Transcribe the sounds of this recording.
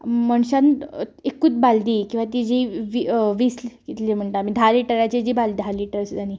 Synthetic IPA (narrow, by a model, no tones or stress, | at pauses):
məɳɕanekuːt͡sbald̪iːkĩw̃ʋat̪id͡ʑiʋiʋiːslkit̪lim̤əɳʈ̪amiːd̪ʱaliʈəɾat͡ɕed͡ʑiːbald̪ialiʈəɾsañi